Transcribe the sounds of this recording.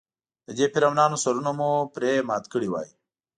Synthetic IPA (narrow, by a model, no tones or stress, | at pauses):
d̪əd͡ʒepiɾamnɑːnosɐɾunomupɾemɑːt̪kəɽiwɑ̰ːi